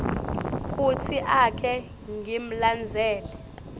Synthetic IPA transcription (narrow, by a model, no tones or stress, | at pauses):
k̬ʼutʰiʔakʰɛ | ŋʱim̩land͡zʱɛːlɛ